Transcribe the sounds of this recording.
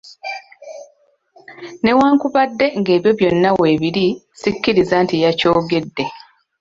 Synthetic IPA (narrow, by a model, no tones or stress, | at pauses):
ne̞waːŋkuβadːe̞ŋɡe̞ːβjo̞βjo̞nːawe̞ːβiɾi | sicːiɾizantijaco̞ːɡe̞dːe̞